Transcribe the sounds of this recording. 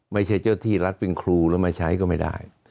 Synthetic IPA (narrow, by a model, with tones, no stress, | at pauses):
ma˥˩jt͡ɕʰa˦˥˩jt͡ɕaː˥˩t̪ʰiː˥˩ɾa˦˥t̪̚pe˧nkʰɾuː˧lɛ˦˥ma˧˩t͡ɕʰa˦˥jkɔː˥˩ma˥˩jda̰ː˥˩j